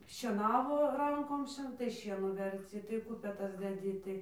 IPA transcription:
ʃʲiɛˈnɑːʋoː ˈrɐŋkoːm ˈʃʲiɛ tɐɪ ˈʃʲiɛnuː ʋʲɛrʲˈt͡sʲɪ tɐɪ ˈkʊpʲɛtɐs dʲɛˈdʲɪ tɐɪ

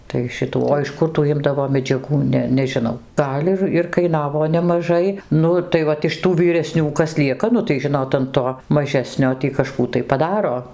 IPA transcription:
tɐɪ ˈʃʲɪtuː oː ɪʃ ˈkʊr tuː ˈɪmdɐʋoː mʲɛd͡ʒʲɛˈɡuː ˈnʲɛ nʲɛʒʲɪˈnɐʊ ˈɡɐlʲ ɪr ɪr kɐɪˈnɑːʋoː nʲɛmɐˈʒɐɪ ˈnʊ tɐɪ ˈʋɐt ɪʃ ˈtuː ʋʲiːrʲɛˈsʲnʲuː ˈkɐs ˈlʲiɛkɐ ˈnʊ tɐɪ ˈʒʲɪnoːt ɐn ˈtoː mɐˈʒʲæːsʲnʲoː tʲiː kɐʃˈkuː tɐɪ pɐˈdɑːroː

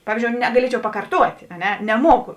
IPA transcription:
ˈpɑːʋʲiːzʲd͡ʒʲoːʊ nʲɛɡɐˈlʲiɛt͡ʃʲɛʊ pɐkɐrˈtuɔtʲeː ɐ ˈnʲɛ nʲɛˈmuɔkʊ

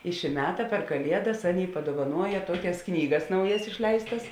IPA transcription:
ɪ ʃʲɪ ˈmʲæːtɐ pʲɛr kɐˈlʲiɛdɐs ˈɑːˌnʲeːɪ pɐduɔʋɐˈnuɔjɛ ˈtuɔkʲɛs ˈknʲiːɡɐs ˈnɐʊjɛs ɪʃʲˈlʲɛɪstɐs

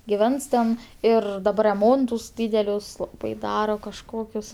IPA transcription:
ɡʲɪˈʋʲɛns tʲɛn ˈɪr dɐˈbɐr rʲɛˈmoːntʊs ˈdʲiːdʲɛlʲʊs lˠɐˈbɐɪ ˈdɑːroː kɐʃˈkoːkʲʊs

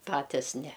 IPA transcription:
ˈpɑːtʲɪs nʲɛ

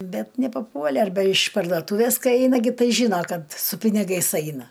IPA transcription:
ˈbʲɛt nʲɛpɐˈpuɔlʲɛ ɐrʲˈbʲɛ ɪʃ pɐrdoːˈtuːʋʲɛs ˈkɐɪ ˈɛɪnɐ ɡʲɪ ˈtɐɪ ˈʒʲiːnɐ ˈkɐt sʊ pʲɪnʲɪˈɡɐɪs ˈɐɪnɐ

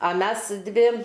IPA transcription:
ɐ ˈmʲɛs ˈdʲʋʲɪ

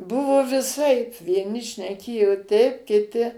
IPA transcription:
ˈbʊʋoː ʋʲɪˈsɐɪp ʋʲiɛˈnʲɪ ʃʲnʲɛˈkʲeːjoː ˈtʲɛɪp kʲɪˈtʲɪ

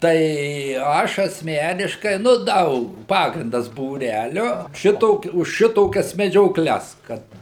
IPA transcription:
ˈtɐɪ ˈɐʃ ɐsʲˈmʲæːnʲɪʃkɐɪ nʊ ˈdɐʊk ˈpɑːɡrʲɪndɐs buːˈrʲælʲoː ˈʃʲɪtoː ʊʃ ˈʃʲɪtoːkʲɛs mʲɛd͡ʒʲoːˈklʲɛs ˈkɐt

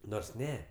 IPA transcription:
ˈnoːrs ˈnʲɛ

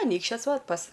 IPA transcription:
ɐˈnʲiːkʃʲt͡ʃʲoːs ˈʋɐt pɐs

